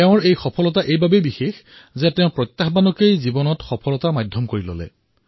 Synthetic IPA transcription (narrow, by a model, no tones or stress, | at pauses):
eʊ̃ɹejxɔpʰɔlɔtaʔejbabebixex | zɛtɛʊ̃pɹɔtːaxbanɔkejzibɔnɔtxɔpʰɔlɔtamajdʱɔmkoɹilɔ̰lɛ̰